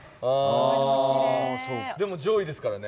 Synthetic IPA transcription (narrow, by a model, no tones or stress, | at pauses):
aː | soːd̪e̞mo̞d͡ʑo̞ːid̪e̞sɨ̥kaɾane̞